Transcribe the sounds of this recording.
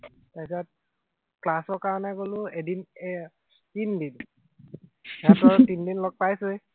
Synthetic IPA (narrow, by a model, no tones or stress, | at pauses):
tasɔt̚ | klasɔɹkaɹɔnɛɡolʊedin | tindin | ɛatɔɹtindinlɔk̚pajsɯj